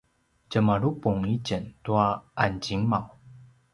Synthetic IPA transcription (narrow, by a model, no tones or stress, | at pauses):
t͡ɕəmaɾupʊŋit͡ɕənt̪waant͡ɕiŋmaw